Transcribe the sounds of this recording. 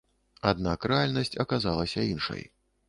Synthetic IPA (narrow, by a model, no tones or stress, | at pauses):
ad̪nakrɛalʲnɐsʲt͡sʲɐkazalˠɐsʲɐinʂɐ̰j